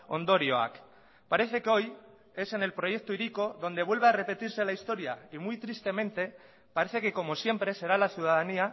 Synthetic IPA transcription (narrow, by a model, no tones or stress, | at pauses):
o̞̰nd̪o̞ɾjoa̰k | paɾe̞θe̞keo̞j | e̞se̞ne̞lpɾo̞ʝe̞k̚t̪uiɾiko̞ðo̞nd̪e̞β̞we̞lβeare̞pe̞t̪iɾse̞laist̪o̞ɾjaimujt̪ɾist̪e̞mẽ̞nt̪e̞ | paɾe̞θe̞ke̞ko̞mo̞sje̞mpɾe̞se̞ɾalaθjuð̞að̞ania